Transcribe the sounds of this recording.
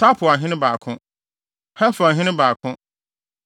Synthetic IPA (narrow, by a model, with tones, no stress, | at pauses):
tʰa˦pʰʊ˨a˨ɦɪ̃˦nɪ̃˦baː˨kʰʊ̃˦ | hɛ˦fʊ˨a˨ɦɪ̃˦nɪ̃˦baː˨kʰʊ̃˦